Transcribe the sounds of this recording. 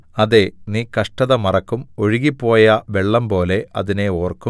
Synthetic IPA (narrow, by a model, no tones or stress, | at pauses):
ɐðe̞niːkɐʂʈɐðɐmɐrɐkːumo̞ɻiɣipːo̞ːjɐʋe̞ɭːɐmpo̞ːle̞ɐ̰ðine̞o̞ːrku